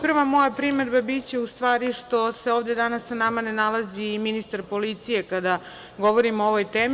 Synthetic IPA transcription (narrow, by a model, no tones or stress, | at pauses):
pr̩ʋamo̞japɾimed̪babit̪t͡ɕe̞ust̪ʋaːɾiʃt̪o̞se̞oːʋd̪e̞d̪anasːanamane̞nalˠaziminist̪aɾpo̞lit̪sije̞kad̪a | ɡo̞ʋoɾimooʋo̞jt̪eːm